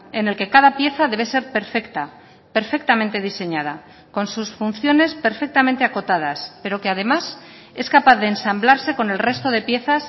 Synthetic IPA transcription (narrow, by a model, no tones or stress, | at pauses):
e̞ne̞lke̞kaðapje̞θaðe̞β̞e̞se̞ɾpe̞ɾfekt̪a | pe̞ɾfe̞k̚t̪amẽnt̪e̞ð̞ise̞ɲað̞a | ko̞nsusfun̟θjo̞ne̞spe̞ɾfe̞k̚t̪amẽnt̪e̞ako̞t̪að̞aspe̞ɾo̞ke̞að̞e̞mas | e̞skapaθðeːnsamblaɾse̞ko̞ne̞lre̞st̪o̞ð̞e̞pje̞θas